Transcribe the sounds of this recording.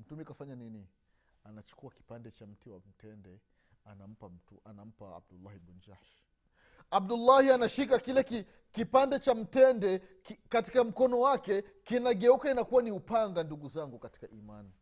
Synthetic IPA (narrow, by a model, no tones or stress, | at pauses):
m̩tumikafaɲanini | anat͡ʃu̥kuaki̥pandɛt͡ʃam̩tiwam̩tɛndɛ | anam̩pam̩tuanam̩paa̰b̚dulːahibund͡ʒaʃ | ab̚dulːahianaʃikakilɛki | kipandɛt͡ʃam̩tɛndɛkikati̥kam̩kɔnɔwakɛ | kinaɠɛukainakuwaniupaŋɡanduɡuzaŋɡukati̥kaʔimani